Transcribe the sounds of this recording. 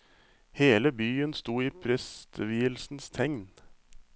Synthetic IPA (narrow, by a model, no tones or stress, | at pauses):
heːləbyːənst̪uːiːpʰɾɛst̪ʋiːəlsn̩st̪ʰɛŋn